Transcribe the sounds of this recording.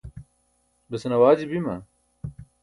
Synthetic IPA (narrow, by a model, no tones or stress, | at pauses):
bɐsnɐwaːd͡ʑibimɐ